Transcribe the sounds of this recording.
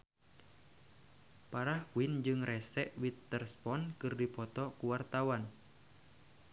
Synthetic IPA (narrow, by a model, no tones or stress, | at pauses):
paɾahkuind͡ʒɨŋrʔɛsɛʔwit̪ːərspɔnkɨrdipɔt̪ɔkuwart̪awan